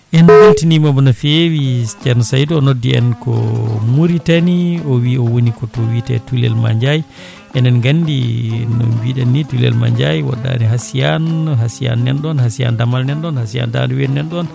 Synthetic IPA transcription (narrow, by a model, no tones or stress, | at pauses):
ʔɛnwoltinimabɔnafewist͡ʃɛnsajdɔnodːiɛ̰nkɔ̰muɾitaniɔwiɔwonikɔtɔwitɛ̰tulɛ̰lma̰ɲd͡ʒaj | ʔɛnɛnɡandinɔ̰mbiɗɛnːitulɛ̰lma̰ɲd͡ʒajwa̰ɗa̰niɦasijanɦasija̰nːɛnɗɔnhasija̰ndamalnɛnɗɔnhasija̰nda̰nuwennːɛnɗɔn